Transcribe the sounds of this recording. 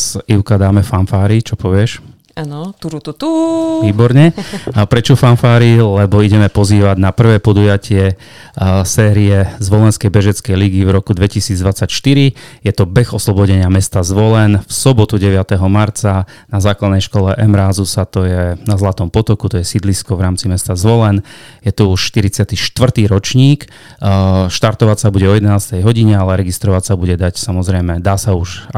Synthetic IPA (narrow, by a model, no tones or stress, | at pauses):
ziʊkad̪aːmɛfanfaːɾit͡ʃɔpɔʋɪɛʃ | anɔt̪uɾut̪uʋiːbɔɾɲɛpɾɛt͡ʃɔfanfaːɾilɛbɔiɟɛmɛpɔziːʋaɟnapr̩ʋɛːpɔd̪ujacɪɛ | sɛːɾiɛzʋɔlɛnskɛjbɛʒɛt͡skɛjliɡivɾɔkud̪ʋɛcisiːd͡zd̪ʋat͡sacʃt̪iɾijɛt̪ɔbɛxɔslɔbɔɟɛɲɪamɛst̪azʋɔlɛnfsɔbɔt̪uɟɛʋɪat̪ɛɦɔmaɾt͡sa | nazaːklad̪nɛjʃkɔlɛʔɛmɾaːzusat̪ɔjɛnazlat̪ɔmpɔt̪ɔkut̪ɔjɛsid̪liskɔʋɾaːmt͡simɛst̪azʋɔlɛnjɛt̪uuʃʃt̪iɾit͡sɪat̪iʃt̪ʋr̩t̪iːɾɔt͡ʃɲiːk | ʃt̪aɾt̪ɔʋasabuɟɛɔjɛd̪ɛnaːst̪ɛjɦɔɟiɲɛalɛɾɛɡist̪ɾɔʋacsabuɟɛd̪acsamɔzɾɛjmɛd̪aːsauʃ